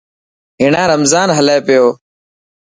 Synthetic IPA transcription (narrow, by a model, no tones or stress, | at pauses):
ɦɪːɳãːɾəmzaːnɦəleːpɪjoː